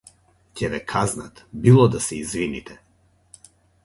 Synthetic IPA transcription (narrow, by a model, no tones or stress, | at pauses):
cɛvɛkʰaznat̪bilˠɔd̪asɛizvinit̪ʰɛ